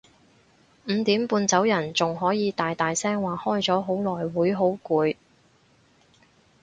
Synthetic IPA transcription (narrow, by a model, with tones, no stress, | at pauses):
m̩ː˨˧t̪iː˨˥mpuː˧nt͡sɐ˨˥wjɐ˨˩nt͡sʊ˨ŋɦɔː˨˥jiː˨˧t̪aː˨jt̪aː˨jsɛː˥ŋwaː˨hɔː˥jt͡sɔː˨˥ɦo˨˥wlɔː˨˩jwuː˨˥jɦo˨˥wkuː˨˧j